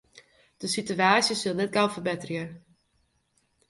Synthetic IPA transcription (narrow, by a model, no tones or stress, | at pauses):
d̥əsityaːsjəsɪlˠnɛt̚ɡawfərbɛtərjə